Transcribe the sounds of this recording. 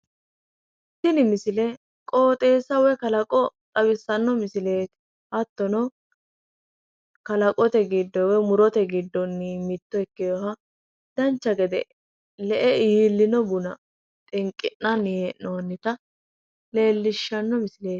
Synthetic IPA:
sɪnɪmɪsɪlɛ | kʼo̞ːt̪ʼe̞ːsɐwɛkɐlɐkʼɔt̪ʼɐbɪsːɐnːɔmɪsɪle̞ːt̪ | ʔɐt̪ːɔnɔ | kɐlɐkʼɔt̪ɛɡɪd̪ːɔwɛmʊɾɔt̪ɛɡɪd̪ːɔnːimɪt̪ːɔɛkːɪjɔɦɐ | d̪̥ɐnt͡ʃːɐɡɛd̪ɛ̰ | lɛʔɛiːlːɪnɔbʊnɐ | t̪ʼɪŋkʼːɪnːɐnːɪjɛnoːnːɪt̪ɐ | le̞ːlːɪʃːɐnːɔmɪsɪle̞ː

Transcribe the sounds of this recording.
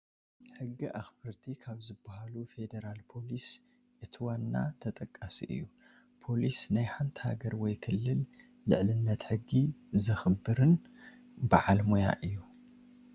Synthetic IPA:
ħɨɡːiʔaxbɨɾt̪ʰikʰaβzɨbːahalufe̞d̪eɾalpʰo̞lis | ʔɨt̪ʰiwanːa̰t̪ʰɐt̪ʼɐkʼːasiʔɨ̰jːu | pʰo̞lisnajħant̪ʰi̥ha̰ɡɐɾwɔjkʰɨlːɨl | lɨ̰ʕlɨnːɐt̪ħɨɡːizɨxɨbːɨɾɨn | baʕalmoja̰ʔɨjːu

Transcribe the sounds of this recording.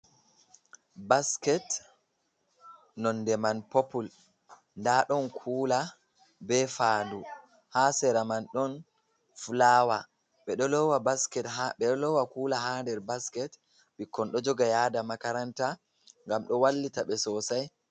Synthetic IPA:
baskɛt | nɔndɛmanpopul | ndaɗɔnkʰuːla | bɛfadu | haːsɛɾamanɗɔn | fulaːwa | ɓɛɗɔlɔwabaskɛtaɓɛɗɔlɔwakuːlaɦandɛɾbaskɛt | ɓikːɔnɗɔd͡ʒɔɡajaːdamakaɾanta | ŋɡamɗɔwalːitaɓɛsɔsaj

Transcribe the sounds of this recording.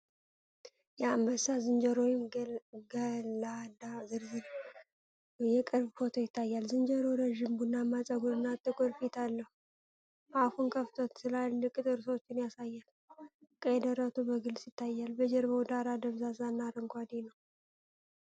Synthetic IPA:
jaambəsazɨnd͡ʒəɾojɪmɡəlad̪azɨɾzɨɾ | jɛkʼɨɾbfo̞t̪ʰojɪt̪ʰːajːalzɨnd͡ʒəɾoɾəʒimbunːamːat͡sʼaɡoɾɨnːat̪ʼːɨkʼoɾfit̪ʰalːəhu | afunkʰəft̪ʰot̪sɨlalɨkʼːɨt̪ʼɨɾswot͡ʃːɪnjasajːal | kʼed̪əɾat̪ʰubəɡɨlsjɪt̪ːajːalbəd͡ʒɛɾbəwd̪aɾad̪əβzazanːaɾəŋkʰʷad̪enəw

